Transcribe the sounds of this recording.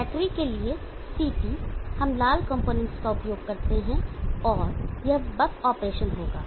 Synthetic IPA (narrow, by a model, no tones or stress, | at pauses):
bɛːʈɾikelie | siːpihɐmlaːlkɐ̃mpoːnɛ̃ɳʈskaʊpjoːɡkɐɾt̪eɦɛ̃ɔːɾjɐbɐkɔːpɾeːʃənɦoːɡa̰ː